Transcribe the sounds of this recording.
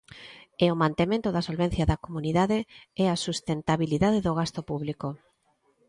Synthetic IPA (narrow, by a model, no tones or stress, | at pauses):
eomãnt̪emẽnt̪ʊðɐsolβen̟θjaðɐkomuniðaðeɛasust̪ent̪aβiliðaðeðoɣ̞ast̪opuβliko